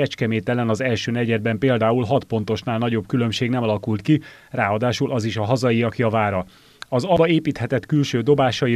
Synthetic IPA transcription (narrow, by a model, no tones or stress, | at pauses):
ɛt͡ʃkɛmeːt̪ɛlɛnɒzɛlʃøːnɛɟɛd̪̚bɛmpeːld̪aːulɦɒt̪po̞n̪t̪o̞ʃnaːlnɒɟo̞bkylø̞mʃeːɡnɛmɒlɒkult̪ki | raːɒd̪aːʃulʔɒziʃɒɦɒzɒjiɒkjɒvaːɾɒ | ɒzɒbɒeːpiːt̪hɛt̪ɛt̪kylʃøːd̪o̞baːʃɒi